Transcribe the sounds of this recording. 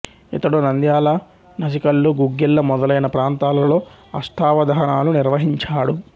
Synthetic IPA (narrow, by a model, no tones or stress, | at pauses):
it̪ɐɽunɐnd̪jaːlɐ | nɐs̬ikɐlːuɡuɡːilːɐmɔd̪ɐlɐjnɐpɾaːnt̪aːlɐlo̞ː | ɐ̰sʈʰaːʋɐd̪ɐɦɐɳaːluniɾʋɐɦiɲt͡ʃaːɽu